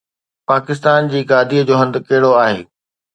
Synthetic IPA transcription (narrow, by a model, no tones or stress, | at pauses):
paːkɪs̬t̪aːnd͡ʑiːɡaːd̪ʱiːəd͡ʑoːɦɐ̃nd̪kɐɦɪɽoaːɦḛː